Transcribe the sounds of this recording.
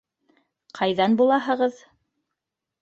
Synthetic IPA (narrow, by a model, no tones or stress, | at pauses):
qʰɑjðɑnbulˠɑɦɤ̆ʁɤð